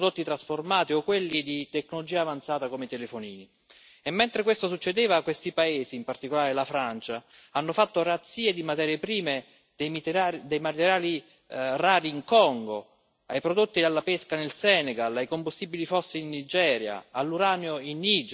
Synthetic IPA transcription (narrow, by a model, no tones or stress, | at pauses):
d̪ot̪ːit̪ɾasformaːt̪iokːwelːid̪it̪ekːnolod͡ʒiːaːvant̪saːt̪akomet̪elefoniːni | emːent̪ɾekwest̪osut͡ʃːed̪eːvakwest̪ipaeːsiːmpart̪ikolaːɾelafɾant͡ʃa | anːofat̪ːoɾat̪siːed̪imat̪ɛːɾjepɾiːme | d̪̥ejmit̪aid̪ejmat̪eɾjaːli | raːɾiːŋkɔŋɡo | ajpɾod̪ot̪ːid̪alːapeskanelsɛːnɛɡalajkombust̪iːbilifɔsːeinːid͡ʒɛːɾja̰alːuɾaːneoinːid͡ʒ